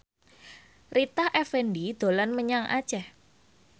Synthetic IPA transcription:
rit̪ahʔɛfɛndid̪̥olanməɲaŋʔa̰̥ʒ̥ah

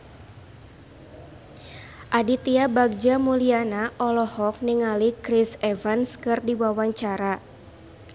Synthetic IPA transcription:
ʔadit̪iabaɡ̚d͡ʒamulianaʔɔlɔhɔk̚niŋalikɾisɛvanskɨrdiwawaɲt͡ʃaɾa

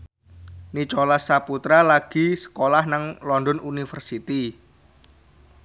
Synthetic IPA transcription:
nit͡ʃolasaput̪ɾalaɡ̥i̤sə̥kolahnaŋlɔndɔnunifərsit̪i

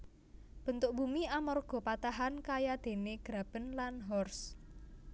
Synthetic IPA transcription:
b̥ə̤nt̪ʊʔ̚b̥umiamɔrɡ̥ɔ̤pat̪aɦankajad̪̥e̤neɡ̥ɾab̥ə̤nlanɦɔrs

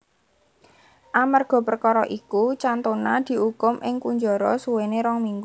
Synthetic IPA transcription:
ʔamarɡ̥ɔ̤pərkɔɾɔʔikut͡ʃant̪onad̪̥i̤ukʊmʔɪŋkuɲd͡ʒɔɾɔ̰suweneɾɔŋmiŋɡu

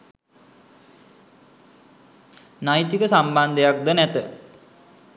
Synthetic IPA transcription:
najt̪ikəsamband̪əjak̚d̪ənæt̪ə

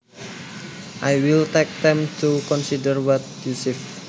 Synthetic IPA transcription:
ʔajwilt̪ɛk̚d̪ɛ̃mt̪ukɔnsidərwɔt̪̚jusif

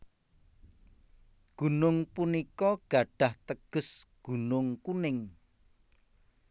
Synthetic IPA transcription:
ɡ̥ṳnʊŋpunikɔɡ̥a̤ɖ̥a̤ht̪əɡ̥ʊ̤sɡ̥ṳnʊŋkunɪŋ

